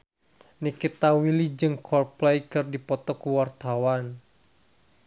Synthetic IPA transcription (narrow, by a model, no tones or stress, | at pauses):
nikit̪awilid͡ʒɨŋkʰɔrplɛjkɨrdipɔt̪ɔkuwart̪awan